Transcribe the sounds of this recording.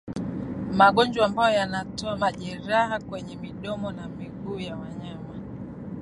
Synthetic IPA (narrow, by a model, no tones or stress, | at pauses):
maɠɔɲd͡ʒwaːmbajɔjanatɔamaʄɛɾaɦakwɛɲɛmiɗɔmɔnamiɡuːjawaɲama